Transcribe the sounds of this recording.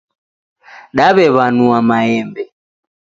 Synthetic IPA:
ɗaβɛβanuamaɛmbɛ

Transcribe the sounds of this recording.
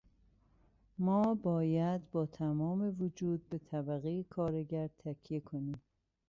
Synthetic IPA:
mɒːbɒːjæd̪bɒːt̪ʰæmɒːme̞vod͡ʒuːd̪̚bet̪ʰæbæɣejekʰɒːɾeɟæɾt̪ʰæcʰjekʰoniːm

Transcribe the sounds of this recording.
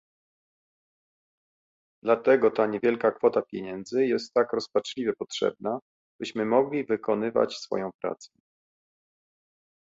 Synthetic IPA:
d̪̥lat̪ɛɡɔt̪aɲevʲjɛlkakfɔt̪apʲjeɲɛnd̪zɘjɛst̪ːakɾɔspat͡ʂlʲivʲɛpɔtʂɛ̰b̚na | b̥ɘɕmɘmɔɡlʲivɘkɔnɘva̰t͡ɕsfɔ̰jɔ̃w̃pɾa̰t̪sɛ̥

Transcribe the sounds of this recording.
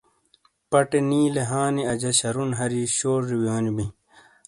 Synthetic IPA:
pɐʈeniːleɦaːniɐd͡ʑɐɕɐɾunɦɐɾiɕoːɾiwjaːnibi

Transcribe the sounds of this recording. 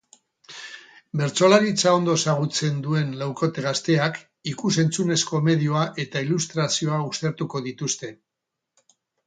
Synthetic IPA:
be̞ɾt͡so̞laɾit͡sao̞nd̪o̞saɣ̞ut͡se̞nd̪ue̞nlawko̞t̪e̞ɣast̪e̞ak | ikuse̞nt͡sune̞sko̞me̞ðioaʔe̞t̪ailust̪ɾasio̞aust̪e̞ɾt̪uko̞ðit̪ust̪e̞

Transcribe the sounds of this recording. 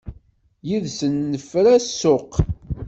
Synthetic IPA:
jiðsənːəfɾæsːʊq

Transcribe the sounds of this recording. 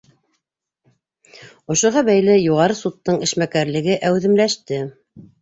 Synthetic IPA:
ŏʃŏɦɑbæjlɘjuʁɑɾɤsut̪ːɤɴɘ̆ʃmækæɾlɘ̆ɡɘʔæwðɘ̆mlæʃt̪ɘ

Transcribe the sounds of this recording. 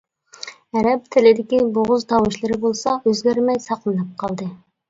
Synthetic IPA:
ɛɾɛp̚t̪ʰɪlɪd̪ɪkʲiboʁʊzt̪ʰɑwɨʃlˠɨɾɪbolˠsɑʔøzɡʲæɾmɛjsɑqlˠɨnɑp̚qʰɑlˠd̪ɨ

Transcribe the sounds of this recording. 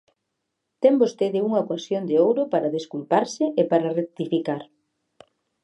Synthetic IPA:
t̪ɛmbost̪eðɪuŋɐkwasjond̪eowɾʊpaɾɐðeskulpaɾsɪʔepaɾarek̚t̪ifikaɾ

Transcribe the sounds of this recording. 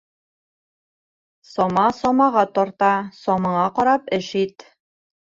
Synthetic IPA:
sɒmɑsɒmɑʁɑt̪ɒɾt̪ɑsɒmɑɴɑqɒɾɑpɘʃit̪

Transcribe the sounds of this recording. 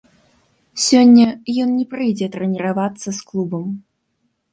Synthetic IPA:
sʲɔnʲːɐjɔnnʲɛpɾɨjd͡zʲɛt̪ɾɛnʲɛɾavat̪sːɐsklˠubɐm

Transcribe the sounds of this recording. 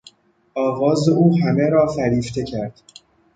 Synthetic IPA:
ʔɒːvɒːzeʔuːɦæme̞ɾɒːfæɾiːft̪ʰe̞cʰæɾd̪̥

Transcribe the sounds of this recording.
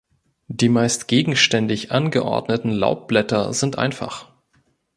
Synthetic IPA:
d̥iːmaɪstɡ̥eːɡŋ̩ʃtɛndɪçʔanɡəʔɔ̰ɐdnətn̩la̰ʊp̚b̥lɛtɐzɪntʔa̰ɪnfa̰χ

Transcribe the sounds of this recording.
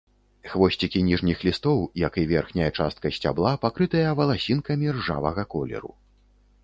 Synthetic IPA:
xvɔsʲt͡sʲikʲinʲiʐnʲixlʲist̪ɔwjɐkivʲɛrxnʲɐjɐt͡ʂast̪̚kɐsʲt͡sʲa̰blˠapakɾɨt̪ɐjɐvɐlˠasʲinkɐmʲirʐa̰vɐɣɐkɔlʲɛ̰ɾṵ

